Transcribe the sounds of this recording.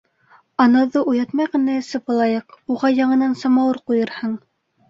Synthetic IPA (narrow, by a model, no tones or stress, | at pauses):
ɑnɑðɤʔujɑt̪mɑjʁɑ̆næɘ̆sɘpɤ̆lˠɑjɤquʁɑjɑɴɤ̆nɑnsɑmɑwɤɾqujɤ̆ɾhɤɴ